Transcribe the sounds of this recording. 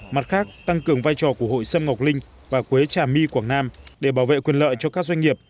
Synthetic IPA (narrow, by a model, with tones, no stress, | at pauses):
ma˨˩t̚xaː˦˥k̚t̪a˧ŋkɨ˨˩əŋvaː˧jt͡ɕɔ˨˩ku˧˩əho̰˧˨jsə˧mŋa˨˩wk͡p̚lï˧ŋ̟ | vaː˨˩kwe˨˦t͡ɕaː˨˩mi˧kwaː˧˩ŋnaː˧mɗe˧˩ɓaː˧˩wvḛ˧˨kwi˨˩ənlə̰ː˧˨jt͡ɕɔ˧kaː˦˥k̚zwa˧jŋ̟ŋi˨˩əp̚